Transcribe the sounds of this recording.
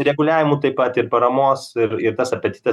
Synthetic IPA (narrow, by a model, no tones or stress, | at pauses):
ɾʲɛɡʊlʲæːʋʲɪmuːt̪ɐɪpːɐt̪ɪɾpɐɾɐmoːsɪɾɪɾt̪ɐsɐpʲɐt̪ʲɪt̪ʲɛ